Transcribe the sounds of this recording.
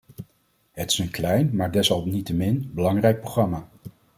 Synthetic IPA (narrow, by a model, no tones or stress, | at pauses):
ɦətɪ̥sənklɛjnmaːɹdɛsɦɑlˠpnitəmɪnbəlɑŋrɛjk̚prowχrɑmaː